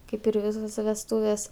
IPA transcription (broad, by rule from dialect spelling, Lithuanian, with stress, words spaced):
ˈkɐɪp ɪr ˈʋʲɪsoːsʲɛ ʋʲɛsˈtuːʋʲeːs